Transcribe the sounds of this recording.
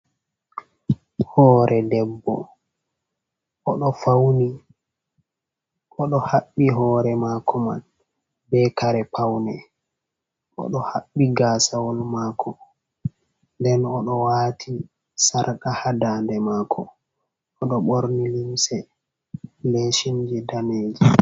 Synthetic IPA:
hɔːɾʔɛdɛbːɔ | ʔɔɗɔfawni | ʔɔɗɔhaɓːiɦɔːɾɛmakʰɔma̰n | bɛkaɾɛpʰawnɛ | ʔɔ̰ɗɔhaɓːiɡaːsawɔlmaːkʰɔ | ndɛnɔɗɔwaːtʰi | saɾkahadaːndɛmaːkʰɔː | ɗɔɓoɾnilimsɛ | leʃind͡ʒidaneːd͡ʒi

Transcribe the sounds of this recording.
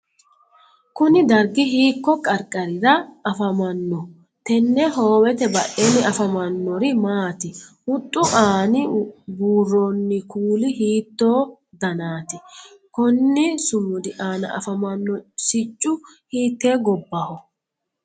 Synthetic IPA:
kʊnɪd̪ɐɾɡɪɦiːkːɔkʼɐɾkʼːɐɾɪɾɐɐfɐmɐnːɔ | t̪ɛnːɛɦo̞ːwɛt̪ɛbɐʔeːnːɪɐfɐmɐnːɔɾɪmaːt̪ɪhʊt̪ʼːʊʔaːnɪbuːrːonːɪkuːlɪhiːt̪ːoː | d̪ɐnaːt̪ɪ | kɔnːɪsʊmːʊd̪ɪʔaːnɐ̰ʔɐ̰fɐmɐnːɔsɪt͡ʃʼːʊ | hiːt̪ːeːɡɔbːɐhɔ

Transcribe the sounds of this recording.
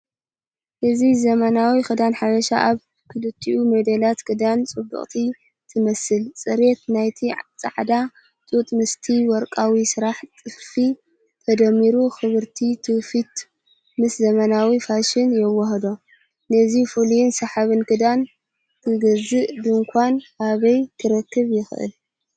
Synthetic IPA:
ʔɨzizɐmɐnawixɨd̪anħaβɐʃa̰ʔaβ | kʰɨlɨt̪ʰːiʔumɐd̪ɐlat̪kʰɨd̪ant͡sʼɨbːɨ̰χʼt̪ʰi | t̪ʰɨmɐsɨlt͡sʼɨɾet̪najt̪ʰit͡sʼa̰ʕd̪a | t͡sʼut̪ʼmɨst̪ʰiwɔɾkʼawisɨɾaħt̪ʼɨffi | t̪ʰɐd̪ɐmːiɾuxɨβɨɾt̪ʰit̪ʰɨfit̪ | mɨszɐmɐnawifaʃɪnjɛwːɐɦd̪o | nɐzifulijɪnsɐħaβɨnkʰɨd̪an | kʰɨɡɐzɨʔbɨŋkʷʰanhaβɐjk̪ʰɨɾɐkːɨβjɪxʔɨ̰l

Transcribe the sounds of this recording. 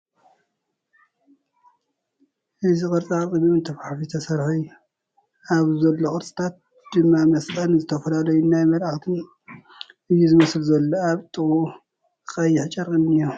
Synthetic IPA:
ʔɨzikʼɨɾt͡sʼat̪ʼɨβiɨnt̪ʰɐfħafit̪ʰɐsɐɾħuj | aβzɐlːokʼɨɾt͡sʼi̥t̪ʰat̪̚ | d̪̥ɨmːamɐst̪ʼɐnzɨt̪ʰɐfɐlalɐjunajmɐlaxt̪ʰɨn | ɨjːuzɨmɐslzɐlːoaβt̪ʼɨɣu | kʼɐjːɪħt͡ʃʼɐɾkʼɨnːɨju

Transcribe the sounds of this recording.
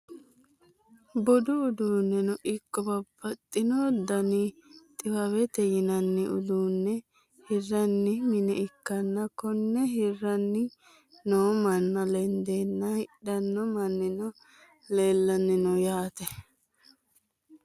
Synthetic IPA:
bɔd̪ʊʊd̪uːnːɛnɔʔɪkːɔbɐbːɐt̪ʼːɪnɔd̪ɐnit̪ʼɪwɐwɛt̪ɛjɪnɐnːɪʔʊ̰d̪uːnːɛ | hɪrːɐnːɪmɪnɛɪkːɐnːɐkɔnːɛɦɪrːɐnːɪ | noːmɐnːɐlɛnd̪eːnːɐhɪɗɐnːɔmɐnːɪnɔ | leːlːɐnːɪnɔjaːt̪ɛ

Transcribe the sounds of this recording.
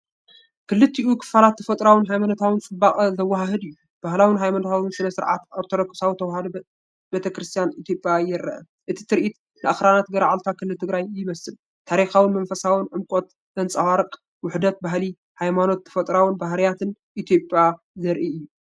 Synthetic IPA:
kʰɨlːɨt̪ːiʔukʰɨ̥falat̪ʰːɐfɐt̪ʼɾawɨnɦajmanot̪ʰawɨnt͡sʼɨbaχʼɐzɐwːaɦaɦɨd̪ɨjːu | b̥ahlawɨnɦajmanot̪ʰawɨnsɨnɐsɨɾʕa̰t̪oɾt̪ʰolɐkʰːɨ̥sawit̪ʰɐwhad̪u | bet̪ʰɐkɾɨst̪ʰijanit̪ʰjo̞pʼjajɪɾɐʔɐ̰ | ʔɨt̪ʰi̥t̪ʰɨɾʔit̪ | nɨʔaxɾanat̪ɡɐɾʕalt̪ʰakʰɨlːɨlt̪ʰɨɡɾajjɪmɐsɨl | t̪ʰaɾixawɨnmɐnfɐsawɨnʕɨmkʼot̪ | zɐnt͡sʼɐwaɾɨkʼ | wʊħd̪ɐt̪̚baɦli | hajmano̞t̪ʰːɐ̥fɐt̪ʼɾawɨnbaɦɾijat̪ʰɨn | ʔit̪ʰjo̞pʼja | zɐɾʔiɨjːu

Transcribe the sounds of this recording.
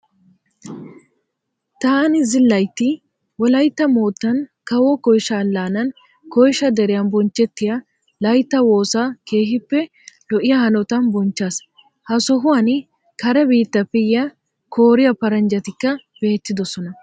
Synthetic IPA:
t̪aːnɪzɪlːɐjt̪ːɪ | wɔlɐjt̪ːɐmoːt̪ːɐnkɐwɔkɔjʃɐːlːaːnɐn | kɔjʃɐd̪ɛɾɪjɐnbɔnt͡ʃːɛt̪ːɪjɐ | lɐjt̪ːɐwo̞ːsaːke̞ːɦɪpːɛ | lɔʔɪjɐhɐnɔt̪ɐnbɔnt͡ʃːaːs | hɐsɔɦʊɐnɪ | kɐɾɐbiːt̪ːɐpːɛjːɐ | kʰoːɾɪjɐpɐɾɐnd͡ʒɐt̪ɪkːɐ | b̥e̞ːt̪ːɪd̪ɔsɔnɐ

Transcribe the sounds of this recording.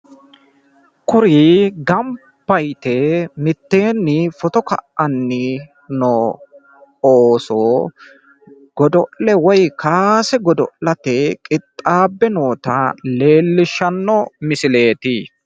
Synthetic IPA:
kʊɾiːɡɐm | pːɐjt̪emɪt̪ːe̞ːnːɪfɔt̪ɔkɐ̰ʔɐnːɪ | noː | oːsoː | ɡ̥ɔd̪ɔʔlɛwɔjkʰaːsɛɡɔd̪ɔ̰ʔlɐt̪ɛkʼɪt̪ʼːaːbːɛno̞ːt̪ɐ̰le̞ːlːɪʃːɐnːɔmɪsɪle̞ːt̪iː

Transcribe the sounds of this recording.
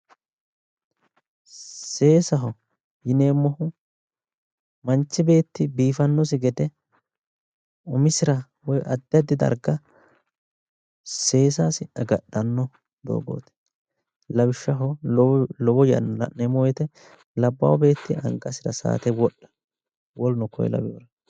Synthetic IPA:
se̞ːsɐɦɔ | jɪneːmːɔhʊ | mɐnt͡ʃːɪbe̞ːt̪ːɪbiːfɐnːɔs̬ɪɡɛd̪ɛ | ʊmɪsɪɾɐ | wɔjʔɐd̪ːɪɐd̪ːɪd̪ɐ̰ɾɡɐ | se̞ːs̬aːsɪɐɡɐɗːɐnːɔ | d̪o̰ːɡo̰ːt̪ɛ̥ | lɐbɪʃːɐɦɔ | lɔbɔjɐ̰nɐ̰neːmːɔwɔjt̪ɛ | lɐbːɐ̰wbe̞ːt̪ːɪɐ̰ŋkʼɐsɪɾɐsa̰ːt̪ɛwɔɗːɐ̥ | wɔlnʊkʰɔ̰j̰lɐ̰bjoːɾɐ

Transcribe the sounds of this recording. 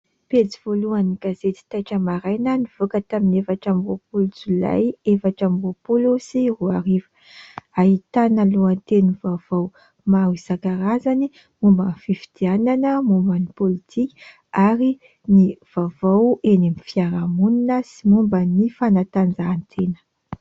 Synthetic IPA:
pet͡siv̥oluaniɡ̥azet̪i̥t̪ajʈ͡ʂəmaɾajnəniv̥okət̪aminefaʈ͡ʂamvopulut͡sula̰jefaʈ͡ʂamvopulusiruaɾivə̥ | aɦit̪analuant̪enuvav̥aw | mawizakaɾazani | mumbənfifi̥d̪̥iananəmumbənipolit̪ʰikʲi̥ | aɾi | niv̥avawenimifiaɾamuninəsimumbənifanat̪and͡zaːnt̪ʰenə̥

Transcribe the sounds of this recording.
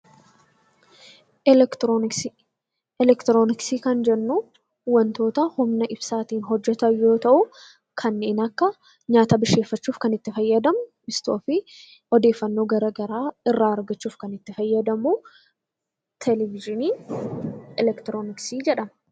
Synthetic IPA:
ɛlɛkt̪ɾoːnɪksiːkɐnd͡ʒɛnːu | wɐnt̪o̞ːt̪ɐhʊmnɐʔɪbsaːt̪iːnɦɔd͡ʒːɛt̪ɐjo̞ːt̪ɐʔʊ | kʰɐnːe̞ːnɐkːɐ | ɲaːt̪ɐbɪʃe̞ːfːɐt͡ʃːuːfkɐnɪt̪ːɪfɐjːɐd̪ɐmʊmɪst̪o̞ːfɪ | ɔd̪e̞ːfːɐnːo̞ːɡɐɾɐɡɐɾaːɪrːaːɐɾɡɐt͡ʃːuːfkɐnɪt̪ːɪfɐjːɐd̪ɐmuː | t̪ʰɛlɛvɪʒɪniː | ɛlɛkt̪ɾoːnɪksiːd͡ʒɛᶑɐm

